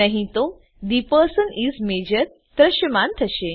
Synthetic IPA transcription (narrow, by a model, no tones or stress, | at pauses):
əɦĩt̪o | d̪ipəɾsənizmed͡ʑəɾ | t̪ɾəʃjəmãnt̪ʰəɕe